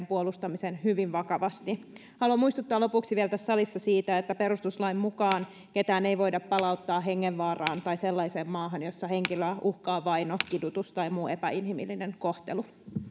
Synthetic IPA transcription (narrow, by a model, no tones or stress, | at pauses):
mpuolust̪ɑmisenhyʋiʋʋɑkɑʋɑst̪i | hɑluɑmuist̪ut̪ːɑːlopuksiʋielt̪æssɑlisːɑsiːt̪æet̪ːæpeɾust̪uslɑimmukɑːn | ke̞t̪æːne̞iʋo̞jdɑppɑlɑut̪ːɑːɦe̞ŋːeʋʋɑːrɑːnt̪ɑjselːɑise̞ːmːɑːɦɑnjosːɑheŋkiløʔuhkɑːʋɑjnokidut̪ust̪ɑjmuːe̞pæinhimilːineŋkoht̪elu